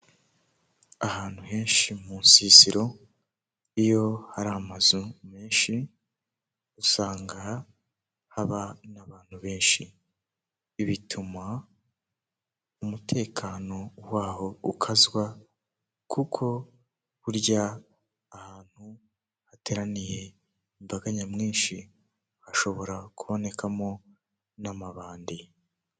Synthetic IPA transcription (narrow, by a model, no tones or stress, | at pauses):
ahaːn̥huhe̞ːnʃimuːnsiːziɾo̞ | ijo̞haɾamazume̞ːnʃi | usaːŋɡa | haβanaβaːn̥huβe̞ːnʃi | βitʰuma | umutʰe̞ːkʰano̞waːho̞ukʰazwa | kʰukʰo̞ | βuɾɟaː | haːn̥hu | hate̞ɾanije̞ | imbaɡaɲamŋiːnʃi | haʃo̞βo̞ɾakuβo̞ne̞kʰamo̞ | namaβaːndi